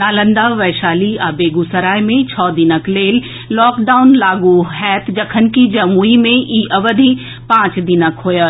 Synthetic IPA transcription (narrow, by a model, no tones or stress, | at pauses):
naːlə̃nd̪aʋɐːʃaːliaːbeːɡusɐɾaːimẽt͡ɕʰɔːd̪inəkleːlː | ɔːkɖaːʊnlaːɡuɦɛːt̪ʰd͡ʑɐkʰənɪ̆kid͡ʑɐmuːimẽʔiːʔɐʋəd̪ʱi | pãːt͡ʃd̪inəkɦoːjə